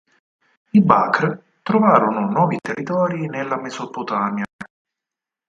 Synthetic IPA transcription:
iba̰kɾ | t̪ɾovaːɾonʊnɔːvit̪erːit̪ɔːɾinelːamezopot̪aːmja

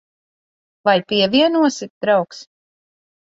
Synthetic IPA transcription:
vajpiɛvʲiɛnuɔsit̪̚d̪ɾawks

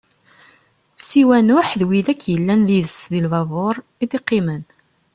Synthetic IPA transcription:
fsiwænʊħðwiðækːjəlːænlizəsðilvɑvˤoɾˤ | id̪iqːimən

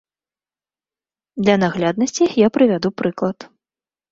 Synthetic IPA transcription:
d̪lʲɐnaɣlʲad̪nɐsʲt͡sʲijapɾɨvʲad̪upɾɨklˠɐt̪

